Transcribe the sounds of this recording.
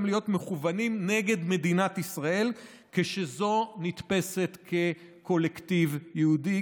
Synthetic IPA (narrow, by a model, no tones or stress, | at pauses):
mlijo̞tmeχuvanimne̞ɡe̞dme̞dinatisʁae̞l | keʃezo̞nit̪pe̞se̞t̪kʰe̞ | ko̞lektivjeudi